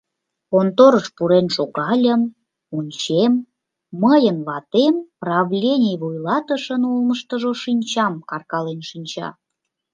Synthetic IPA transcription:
kont̪oɾəʃpuɾenʃoɣɑlʲəm | unʲt͡ɕemː | əjənβɑt̪emprɑvlʲenʲejvujlɑt̪əʃənolməʃt̪əʒoʃinʲt͡ɕɑmkɑrkɑlenʃinʲt͡ɕɑ̰

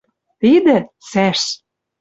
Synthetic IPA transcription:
t̪id̪ə̆sæʃ

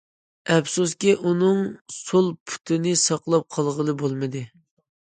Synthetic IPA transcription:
ɛpsuskʲiʔunɨŋsolˠpʰy̥t̪ʰɪnɪsɑqlˠɑp̚qʰɑlˠʁəlˠɨbolˠmɨd̪ɨ

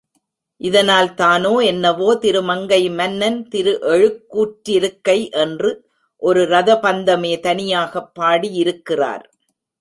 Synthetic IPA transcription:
ʔɪðɐnaːlt̪aːnoːɛnːɐʋoːt̪ɪɾɯmɐŋɡɐɪmɐnːɐnt̪ɪɾɯʔɛɻɯkːuːʈɾɪɾɯkːɐɪʔɛndrɯ | ʔɔɾɯɾɐðɐpɐnd̪ɐmeːt̪ɐnɪjaːɣɐpːaːɽijɪɾɯkːɪra̰ːɾ

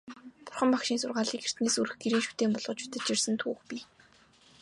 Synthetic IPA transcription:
pʊrχə̆mpakʃiːnsʊrʁaːɮiːkxer̥t̪neːsuɾɘ̆xɡeɾiːŋʃut̪eːmpɔɮʁɞ̆t͡ɕʰu̥t̪ə̆t͡ɕt͡ɕirsə̆nt̪ʰṵːxpʲi

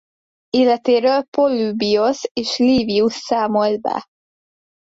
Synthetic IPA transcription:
eːlɛt̪eːɾøːlpolːybioseːʃliːviusːaːmo̞ld̪̚bɛ̰

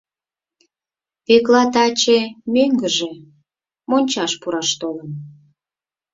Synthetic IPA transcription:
piklɑt̪ɑt͡ɕemøŋɡəʒe | monʲt͡ɕɑʃpuɾɑʃt̪olən

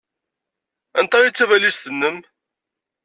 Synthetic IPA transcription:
ænt̪ˤɑit͡sːævælisθənːəm

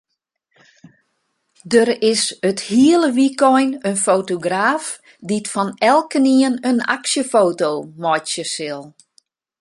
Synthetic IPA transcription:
dəɾɪsəthiəlˠəʋikʰɔjnənfoːtoɡraːf | ditfɔnɛlˠkəniənəna̰ksjəfoːtoːmɔjsjəsɪlˠ

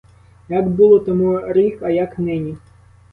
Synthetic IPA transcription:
jaɡbulˠɔt̪ɔmuɾikɐjaknɛnʲi

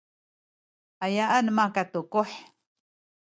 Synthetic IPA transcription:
ajaʔanmakat̪ukʊħ

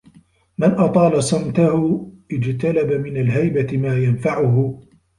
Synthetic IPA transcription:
mɪnʔɑt̪ˤɑːlasˤɑmt̪ahʊʔɪd͡ʒt̪alabamɪnalɦajbamaːjanfaʕʊɦʊ

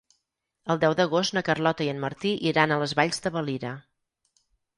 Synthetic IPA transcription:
əlˠd̪ɛwðəɣost̪nəkərlɔt̪əiənməɾt̪iʔiɾanəlˠəzβaʎzd̪əβəliɾə

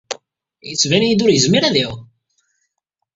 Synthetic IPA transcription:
jət͡sːvænijid̪ʊɾjəzmiɾæðiw

